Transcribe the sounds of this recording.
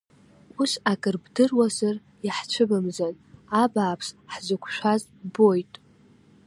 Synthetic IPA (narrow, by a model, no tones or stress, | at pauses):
usakʼɨrbdɨrwazɨr | jaħt͡ɕʷʰɨbɨmzan | abaːpʰsħzʷɨkʷʰʃᶣʷaz | bojtʼ